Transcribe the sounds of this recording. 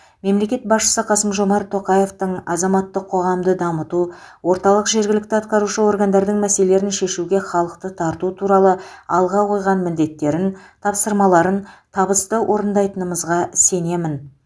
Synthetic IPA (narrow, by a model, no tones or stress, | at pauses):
me̞mle̞kʲe̞t̪̚bɑsʃə̥səqʰɑsəmʒo̞mɑɾt̪ʰːo̞qɑje̞ft̪əɴɑzɑmɑt̪ːəqʰːo̞ʁɑmd̪əd̪ɑmət̪u | wo̞ɾt̪ɑlˠəqʒe̞ɾɡʲɪlɪk̚t̪ɪɑt̪̚qɑɾuʃəwo̞ɾɡɑnd̪ɑɾd̪əɴmæse̞lele̞ɾɪnʃe̞ʃuɡʲe̞χɑlˠəq̚t̪ət̪ʰɑɾt̪ut̪ʰuɾɑlˠəɑlˠʁɑqʰo̞jʁɑnmɪld̪e̞t̪ːe̞ɾɪnt̪ʰɑpsəɾmɑlˠɑɾənt̪ʰɑβəst̪əwʔo̞ɾənd̪ɑjt̪ənəməzʁɑse̞ne̞mɪn